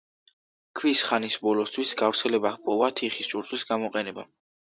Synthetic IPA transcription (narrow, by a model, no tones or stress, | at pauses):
kʰwisχanisbɔlɔst̪ʰwisɡavɾt̪sʰɛlɛbaχpʼɔvat̪ʰiχist͡ʃʼuɾt̪ʼwisɡamɔqʼɛnɛba̰